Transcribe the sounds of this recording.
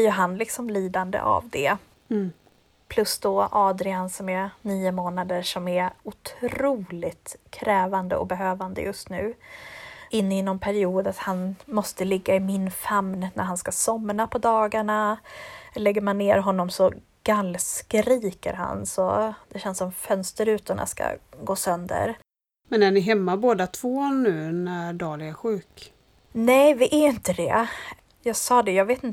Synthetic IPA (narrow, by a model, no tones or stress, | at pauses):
bɪjɵɦanlɪksɔmliːd̪and̪ə̰ʔa̰vd̪ɛ | pʰlɵsd̪ɔʔɑːd̪ɾɪansɔmɛniːʊmoːnad̪əʂɔmæɾʊt̪ʰɾuːlɪt̪kʰɾɛːvand̪ə̰ɔ̰kbɛɦøːvand̪ə̰jɵst̪nʉ̟̰ː | ɪnːɪnːɔmpʰæɾɪuːd̪at̪hanmɔst̪əlɪɡːaɪmɪnfamnnæ̰ɾhanskasɔmːɾapʰɔd̪ɑːɡaɳa | lɛɡːəɾmanːeːɾɦɔnːɔmsɔ | ɡ̥alːskɾiːkə̰ɾɦa̰nsɔd̪̥ɛɕɛnsːɔmfœnst̪əɾʉ̟ːt̪ɔna̰ska̰ɡoːsœnd̪ə̰ɾ | mɛnænɪɦɛmːaboːd̪at̪ʰvoːnʉ̟ːnæɾɖɑːlæɧʉ̟ːk | nɛjvɪʔæɪnt̪əd̪ɛ̰ | jɑːɡsɑːd̪ɛjɑːɡveːt̪ɪn